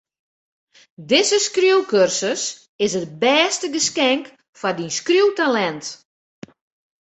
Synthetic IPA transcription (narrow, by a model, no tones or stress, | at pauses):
dɪzəskrjuwkørsəs | ɪsət̚bɛːstəɡəskɛŋk | fardinskrjuwtalɛnt